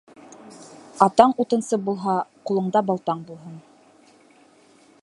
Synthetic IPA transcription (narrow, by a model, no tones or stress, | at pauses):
ɑt̪ɑɴut̪ɤ̆nsɤbulˠɦɑqulˠɤ̆ɴd̪ɑbɑlˠt̪ɑɴbulˠɦɤn